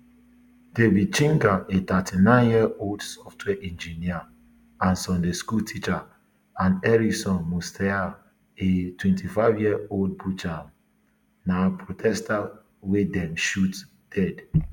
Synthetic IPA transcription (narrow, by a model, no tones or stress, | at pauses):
d̥ebit͡ʃĩŋɡaʔetatʰinãɪ̃njiəoldsɔftʰwɛʔɛ̃nd͡ʒinia | ãnsɔ̃ndeskultʰit͡ʃa | ãnɛɹiksɔ̃nmostʰɛa | etwɛ̃ntʰifaɪvjiəold̚but͡ʃa | napʰɹotʰɛsta | wedɛ̃mʃut | d̥ɛd